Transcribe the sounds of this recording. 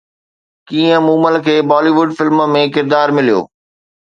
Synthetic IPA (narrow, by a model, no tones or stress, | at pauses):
kiːə̃mũːməlkʰeːbɔːliʋʊɖfɪlmmẽkɪɾd̪aːɾmɪlijo̰ː